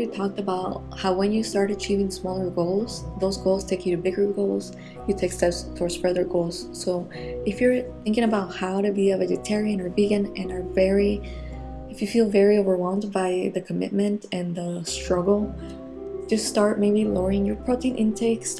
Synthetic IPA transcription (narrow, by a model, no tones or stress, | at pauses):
itʰɔk̚təbaʊt̚ | haʊwɨ̃njɨstɑɹɾɨt͡ʃʰivɪ̃ŋsmɔlˠə˞ɡoʊlˠz̥ðoʊzɡoʊlˠz̥tʰeɪkʰjɨɾɨbɪɡə˞ɡoʊlˠz̥ | jɨtʰeɪkstɛpstʰɔɹspɹɛðə˞ɡoʊlˠz̥soʊ | ɨfjə˞θɪ̃ŋkɪ̃ŋəbaʊt̚haʊɾɨbiɨvɛd͡ʒɨtʰɛɹiɨ̃nə˞viɡɨ̃nɨ̃nə˞vɛɹi | ɨfjɨfilˠvɛɹioʊvə˞wɛl̃ˠmbaɪðɨkʰɨmɪ̰t̚mɨ̃ntɨ̃nðəstɹ̥ʌɡl̩ˠ | d͡ʒ̥ʌststɑɹt̚meɪbiloɹɪ̃ŋjə˞pʰɹ̥oʊtʰĩɪ̃nʔɪ̃ntʰeɪks